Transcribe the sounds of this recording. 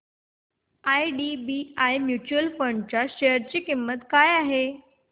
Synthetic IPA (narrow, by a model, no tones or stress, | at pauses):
ajɖibiajmjut͡ɕuəlfəɳɖt͡ɕjaɕejəɾt͡ɕiːkimːət̪kajaɦe